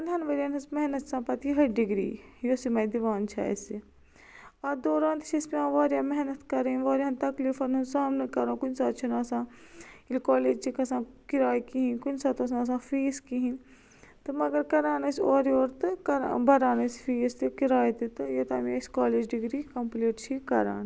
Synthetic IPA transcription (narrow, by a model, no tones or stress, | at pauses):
ɐnd̪ɐnʋɐɾɐːnɐsmɛɦnɐt̪sãːpɐt̪iɦɐɖiɡɾḭːjoːsimɐjd̪iʋaːnt͡ʃʰa̰ːḛsi | ɐɾd̪oːɾãːnt̪i̥t͡ʃʰɐspʲãːʋaːɾjaːmɛɦnɐt̪kɐɾeːʋaːɾjɦɐnt̪ɐkliːfɐnunsaːmnɐkɐɾõːkunsaːt̪t͡ʃʰunaːsãːilkaːleːd͡ʒt͡ʃʰikɐsãːkiɾaːjkiɦĩnkʊnsaːt̪ɐs̬ãːs̬ãːfiːskiɦĩn | t̪ɨmɐɡɐɾkɐɾaːnɐsoːɾioːɾt̪ɨkɐɾbɐɾaːnɐsfʰiːst̪ɨkiɾaːjt̪it̪ɨjot̪a̰ːmiskaːleːd͡ʒɖɪɡɾiːkɐmpliːʈt͡ʃʰikɐɾa̰ːn